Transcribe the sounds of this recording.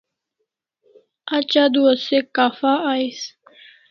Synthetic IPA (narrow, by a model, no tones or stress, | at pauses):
at͡ɕad̪uɐsekaːfaais